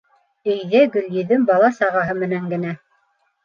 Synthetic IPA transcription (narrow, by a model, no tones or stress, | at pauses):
ɘ̆jðɘɡɵ̆ljɵ̆ðɵmbɑlˠɑsɑʁɑɦɤmɘ̆næŋɡɘ̆næ